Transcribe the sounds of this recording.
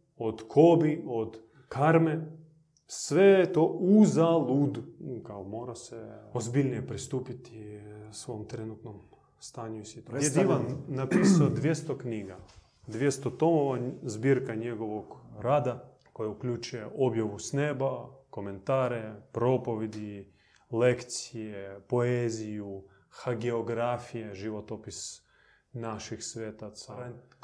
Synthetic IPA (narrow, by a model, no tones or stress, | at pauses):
od̪kʰobiod̪ | kaɾme | sʋet̪ouzalˠud̪kaomoːɾaseozbilnijepɾist̪uːpit̪isʋoomt̪ɾenut̪nom | st̪aːɲuisit̪oed̪iʋanːapisaod̪ʋjest̪okniːɡa | d̪ʋjest̪ot̪omoʋazbiɾkaɲe̞ɡo̞ʋoɡɾaːd̪a | ko̞jaukʎut͡ʃujeʔobjaʋusnebako̞me̞nt̪aːɾe̞pɾo̞po̞ʋed̪i | lekt̪sijepo̞eziju | xaɡeoɡɾafije̞ʒiʋot̪opis | naʃixsʋeːt̪at̪sa